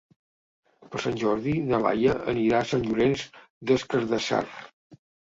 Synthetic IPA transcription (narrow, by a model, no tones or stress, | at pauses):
pəsanʲʒɔɾðiðəla̰jəʔə̰niɾasanʲʒuɾenz | d̪əskəɾðəsa̰r